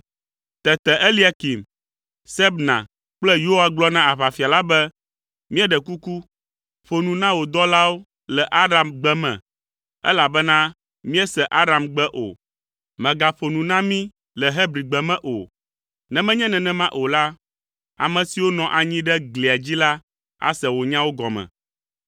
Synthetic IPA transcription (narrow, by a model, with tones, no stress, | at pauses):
t̪ɛ˨t̪ɛ˨ʔe˦li˦a˨ki˨m | sɛ˦bnã̰˨ | k͡plɛ˦jo˦wa˨ɡ͡blɔ˦nã˦a˨βa˨fi˨a˨la˦bɛ˦ | mĩ˦ɛ˦ɖɛ˨ku˦ku˦ | ɸo˨nũ˨nã˦wo˨d̪ɔ˦la˦wo˦ | lɛ˨ʔa˦ɖa˨mɡ͡bɛ˦mɛ̰̃˨ | ɛ̰˦la˨bɛ˦nã˦ | mĩ˦ɛ˦sɛ˨ʔa˦ɖa˨mɡ͡bɛ˦ʔo̰˨ | mɛ̃˨ɡa˨ɸo˨nũ˨nã˦mĩ˦ | lɛ˨ɦɛ˦bɾi˨ɡ͡bɛ˨mɛ̃˦ʔo̰˨ | nɛ̃˨mɛ̃˦ɲɛ̃˦nɛ̃˨nɛ̃˦mã˦ʔo˨la˦ | a̰˨mɛ̃˨si˨wo˦nɔ̃˨ʔa˨ɲĩ˦ɖɛ˦ɡli˨a˨d͡ʑi˦la˦ | a̰˦sɛ˨wo˨ɲã˦wo˦ɡɔ̰˨mɛ̰̃˨